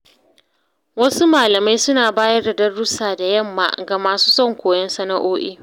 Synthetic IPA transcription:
wɐ˦su˦maː˨lɐ˨ma˦jsʊ˦naː˨baː˦jɐ˦rda˨dɐ˦rːʊ˦saː˨da˨jɐ˦˨mːa̰ː˨ɡa˨maː˨su̥ː˦sɔ˦˨ŋkʷoː˨jɐ˦nsɐ˦na˦ʔoː˦ʔiː˦

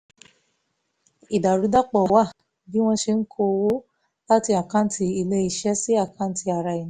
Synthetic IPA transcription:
i˨da˨ɾu˨˧˦da˦k͡pɔ˨wa˦˨ | bi˦w̃ɔ̃˧ʃe˧n̩˦kʰo˧wo˦ | la˦ti˧a˨kã˨˦ti˧i˧le˦i˧ʃɛ˦si˦a˦˨kã˨˦n̩˦ti˧a˨ɾa˧i˨ñ˨˦

